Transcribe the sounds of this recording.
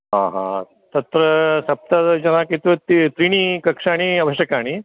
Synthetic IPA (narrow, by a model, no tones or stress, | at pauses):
ɦãɦã̰ | t̪ɐt̪ɾəsɐp̚t̪ad͡ʑɐnakit̪ʋɐt̪it̪ɾiɳ̃ikɐkʂaːɽ̃iɐʋɐɕjɐkaːɽ̃i